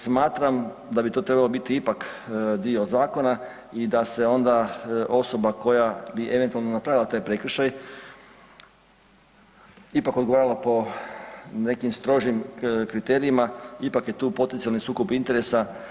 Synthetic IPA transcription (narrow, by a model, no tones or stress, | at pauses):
smaːt̪ɾam | d̪abit̪o̞ːt̪ɾe̞balobit̪iipakd̪io̞zaːko̞na | id̪ase̞o̞nd̪aʔo̞so̞bako̞jabiʔe̞ʋe̞nt̪ualˠno̞napɾaʋilat̪aːjpɾe̞kɾ̩ʃaj | ipakod̪ɡoaːɾalˠapo̞ | ne̞kimst̪ɾo̞ʒimkɾit̪e̞ːɾiimaipakje̞t̪uːpo̞t̪ent̪ialnisuːkupint̪e̞ɾe̞sa